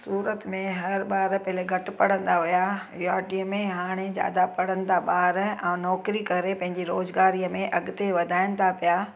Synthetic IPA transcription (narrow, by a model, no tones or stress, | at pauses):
suːɾət̪mẽɦɐɾɓaːɾpɐɦleɡʱɐʈɪ̆pɐɽ̤ə̃nd̪aɦʊja | jaːʈiəmẽɦaːɽ̃ed͡ʑja̰ːd̪apɐɽ̤ə̃nɪ̆t̪ʰaɓaːɾɛ̃ːnɔːkɾikɐɾepɐ̃ɦɪ̃ɲd͡ʑiɾoːzɡaːɾijəmẽʔɐɡʊt̪eʋɐd̪ʱaːɪnɪt̪ʰapijaː